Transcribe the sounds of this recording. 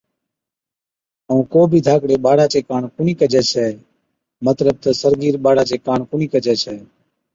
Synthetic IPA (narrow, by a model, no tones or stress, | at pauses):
əũːkoːbʱiːd̪ʱaːkɽeːɓaːɽaːt͡ʃeːkaːɳkʊɳiːkəd͡ʒʱɛːt͡ʃʰɛː | mət̪ləb̚t̪əsəɾɡiːɾɓaːɽaːt͡ʃeːkaːɳkʊɳiːkəd͡ʒɛːt͡ʃʰɛː